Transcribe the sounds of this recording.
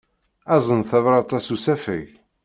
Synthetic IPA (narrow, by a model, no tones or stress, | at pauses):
æzˤənθævɾˤɑt̪ˤɑsusæfə̰ʝ